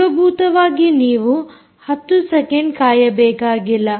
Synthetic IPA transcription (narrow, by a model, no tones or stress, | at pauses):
ɐbʱuːt̪ɐʋaːɡiniːʋu | hɐt̪ːusɛkeɳɖkaːjɐbɛːkaːɡilːɐ